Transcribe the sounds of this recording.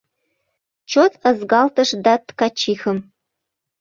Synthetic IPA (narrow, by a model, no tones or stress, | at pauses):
t͡ʃʰot̪ʰəzɡɑlt̪ʰəʂd̪at̪kɑt͡ʃʰixəm